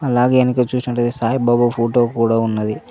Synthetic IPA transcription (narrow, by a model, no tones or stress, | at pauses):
ɐlaːɡeːɐnikeːt͡ʃuːsinɐʈːɐd̪esaːjibaːbupʰoːʈo̞ːkuːɽaːunːɐd̪i